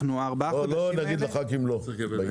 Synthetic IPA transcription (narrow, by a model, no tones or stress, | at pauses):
nuabaolonaɡid̪laχakimloba